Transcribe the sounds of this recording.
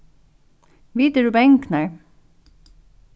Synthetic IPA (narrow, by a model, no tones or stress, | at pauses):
ʋiːt̪əɖʉːbɛŋknəɹ